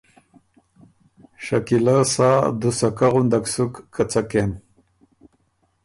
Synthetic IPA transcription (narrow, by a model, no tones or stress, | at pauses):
ʃakilasad̪usakaʁund̪aksukːʰat͡saken